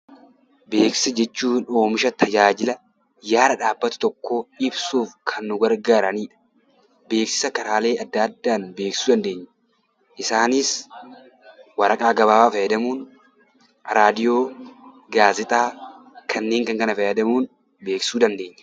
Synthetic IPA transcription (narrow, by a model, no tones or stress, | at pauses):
be̞ːksɛd͡ʒɛt͡ʃːuːno̞ːmɪʃɐt̪ʰɐd͡ʒaːd͡ʒɪlɐ | jaːɾɐᶑaːbːɐt̪ʊ̥t̪ɔkːo̞ːɪbsuːfkʰɐnːʊɡɐɾɡaːɾɐniːᶑɐ̥ | be̞ːksɪ̥sɐkɐɾaːle̞ːɐd̪ːad̪ːaːnbe̞ːkssuːd̪ɐnd̪e̞ːɲːɐ̥ | ʔɪsaːniːs | wɐɾɐkʼaːɡɐβaːwaːfɐjɐd̪ɐmuːn | ɾaːd̪ɪjo̞ː | ɡaːzɪt̪ʼaː | kʰɐnːe̞ːŋkɐŋkɐnɐfɐjɐd̪ɐmuːn | be̞ːksuːd̪ɐnd̪e̞ːɲːɐ̥